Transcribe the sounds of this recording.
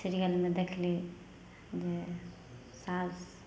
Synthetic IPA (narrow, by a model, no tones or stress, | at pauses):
siɾijəlmed̪ekʰli | d͡ʒe | sas